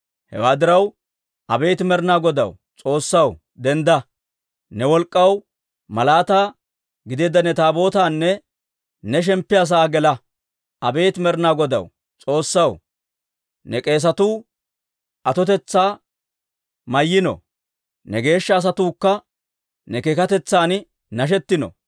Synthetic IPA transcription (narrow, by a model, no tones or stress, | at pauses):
hɛ̰waːd̪ɪɾɐw | ʔɐbe̞ːt̪ɪmɛɾnaːɡɔd̪ɐ̰w | t͡sʼo̞ːsːɐw | d̪ɛnd̪ɐ | nɛwɔlkʼːɐw | mɐlaːt̪aː | ɡɪd̪eːd̪ɐnɛt̪aːbo̞ːt̪aːnːɛ | nɛʃ̬ɛmpːɪas̬aːɡɛlɐ | ɐbe̞ːt̪mɛɾnaːɡɔd̪ɐ̰w | t͡sʼo̞ːsːɐw | nɛkʼe̞ːs̬ɐt̪uː | ʔɐt̪ɔt̪ɛt͡sːaː | mɐjːɪnɔ̰ | nɛɡe̞ːʃːɐːs̬ɐt̪uːkːɐ | nɛkekɐt̪ɛt͡sːaːn | nɐʃ̬ɛt̪ːɪnɔ̰